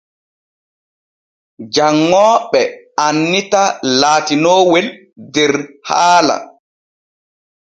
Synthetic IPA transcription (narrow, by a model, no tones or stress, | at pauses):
d͡ʒaŋːɔːɓɛ | anːitalaːtinɔːwɛl | dɛɾhaːla̰